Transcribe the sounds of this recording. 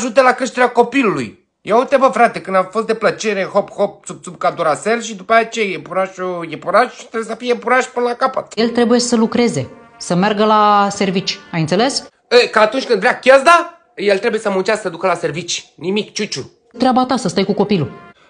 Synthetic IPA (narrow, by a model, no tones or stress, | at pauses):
ʒut̪elakɾeʃt̪eɾʲako̞pilulṵj | jewot̪abəfɾat̪e̞kɨnd̪afos̬t̪d̪e̞plət͡ʃe̞ɾexopxop̚t̪sub̚t̪sub̚kad̪uɾaselʃid̪upajat͡ʃejajepuɾaʃujepuɾaʃi̥t̪ɾebjesəfijepuɾaʃpɨnəlakapə̰t̪je̞lt̪ɾe̞buje̞səlukɾe̞ze̞ | səmerɡəlase̞rvit͡ʃʲajɨnt̪sele̞s | əkaːt̪unt͡ʃʲkɨnd̪vɾʲakʲazd̪a | jelt̪ɾebujesəmunt͡ʃassəd̪ukəlase̞rvit͡ʃʲnimikt͡ʃut͡ʃu | t̪ɾʲabat̪asəst̪ajkuko̞pilu